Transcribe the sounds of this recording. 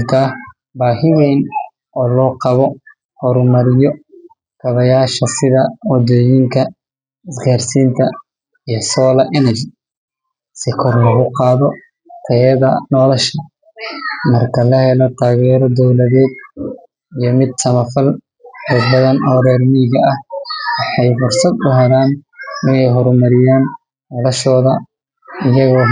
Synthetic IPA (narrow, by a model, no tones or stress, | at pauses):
k̪ʰaː | baːɦɪwɛjn | ɔːlɔːqɑβɔ | hɔɾʊmɐɾɪjɔ | kʰɐβɐjaːʃɐsɪðɐwɐd̪ɔːjɪŋkʰɐ | ɪsɡaːrsiːnt̪ʰɐ | ijɔsɔːlɐʔɛnɐd͡ʒɪ | sɪkʰɔrlɐɣʊqɑːðɔ | t̪ʰɛjɐðɐnɔːlɐʃɐ | mɐrkʰɐlɐhɛlɔt̪ʰaːɣɛːɾɔd̪ɔwlɐðɛːd̪ | ijɔmɪd̪sɐmɐfɐl | d̪ɐd̪̚bɐðɐnɔːɾɛːrmɪɣɐɐhwɑħɑjfʊrsɐd̪ʊɦɛlaːnɪnɛjɦɔɾmɐɾɪjaːn | nɔlɐʃɔːðɐ | ɪjɐɣɔː